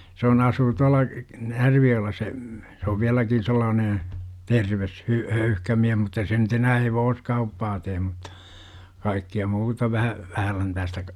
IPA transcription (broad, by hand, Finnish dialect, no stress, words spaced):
se on ɑsuː tuɑlˑɑ nærʋijoelːɑ se se oʋ ʋiælækin̞ selːɑːnen̞ terʋes hy høyhkæ miæh mutːɑ se nyt enæː heʋoːskɑupːɑː teːm m̥u̥tːɑ̥ kɑikːiɑ muːtɑ ʋæhæ ʋæhælæntæːstæ